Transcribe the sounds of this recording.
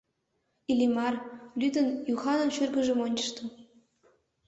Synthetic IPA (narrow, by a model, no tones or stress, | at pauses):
ilʲimɑrlyd̪ə̆njuxɑnɤ̆nʃyrɡə̆ʒĕmonʲt͡ɕɤ̆ʃt̪ɤ̆